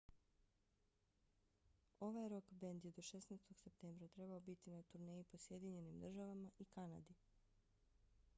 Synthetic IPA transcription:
o̞ʋajɾo̞kbe̞nd̪jed̪o̞ʃe̞snest̪o̞ɡ̥se̞p̚t̪e̞mbɾat̪ɾe̞baobit̪inat̪uɾne̞ːjipo̞sje̞d̪iɲe̞nimd̪r̩ʒaʋamaʔikana̰d̪i

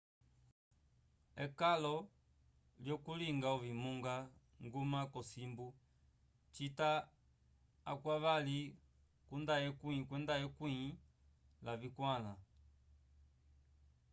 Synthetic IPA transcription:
ɛkalɔ | ljɔkuliŋɡauvimuŋɡa | ŋɡumakɔsimbu | t͡ʃita | kwaβali | kundajɛkiĩkwɛndajɛkwii | lavikwala

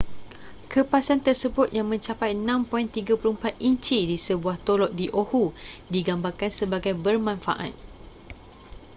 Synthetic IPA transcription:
kʰəpasant̪ərsəbʊt̪̚jaŋmə̃ɲt͡ʃapajnãmpɔint̪iɡapəɾumpat̪̚iɲt͡ʃidisəbuaht̪olɔʔ̚diʔohudiɡambarkansəbaɡajbərmãnfa̰ʔa̰t̪̚

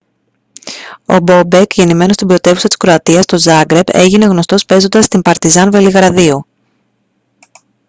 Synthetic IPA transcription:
o̞̰bo̞be̞kʝe̞nime̞no̞st̪ibɾo̞t̪e̞vusɐt̪i̥skɾo̞ɐt̪iɐst̪o̞zɐɡɾe̞be̞ʝine̞ɣno̞st̪o̞spe̞zo̞nd̪ɐst̪impɐɾt̪izɐnve̞liɣɾɐðiu

